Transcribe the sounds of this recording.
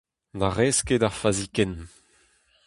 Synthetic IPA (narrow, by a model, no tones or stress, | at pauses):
daʁɛskedaʁfazikɛn